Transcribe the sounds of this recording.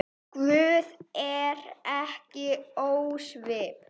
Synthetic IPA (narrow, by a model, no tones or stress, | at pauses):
kvʏːðɛɾɛhcɪoːwsvɪːp